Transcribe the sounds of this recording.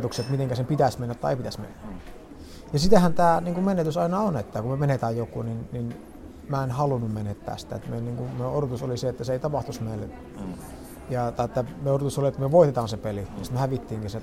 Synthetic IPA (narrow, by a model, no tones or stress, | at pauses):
t̪ukset̪mit̪eŋkæsempit̪æsmenːæt̪t̪ːɑiḛˑipit̪æsmḛnːæ | jɑsit̪æhænt̪æːniːŋkumenet̪ysɑˑinɑonet̪ːækumømenet̪æːjjokːˑṵninnin | mæenhɑlunːummenet̪ːæ̰ːsi̥t̪æ̰et̪melniːŋkumøorot̪usoliseet̪ːæseeˑit̪ɑpɑht̪usmeˑl | jɑt̪ɑiet̪ːæmeorot̪usoliet̪ːmyøʋoˑit̪et̪ɑːnsepelijɑsi̥t̪mehæʋit̪ːiːŋkise